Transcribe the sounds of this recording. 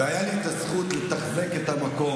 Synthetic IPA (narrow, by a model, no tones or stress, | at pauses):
eajalit̪asχut̪let̪aχze̞ket̪amako̞